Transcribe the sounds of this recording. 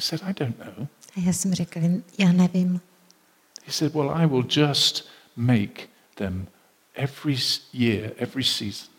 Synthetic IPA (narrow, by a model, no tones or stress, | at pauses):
sɛɾaɪdõʊ̃nːoʊ | aasəmɾɛkəɪnjanɛvɪm | hisɛd̚wɛlˠa̰ɪwɪlˠd͡ʒʌst | meɪk | ðɨ̃m | ʔɛvɹijɪɹɛvɹisiz̥n̩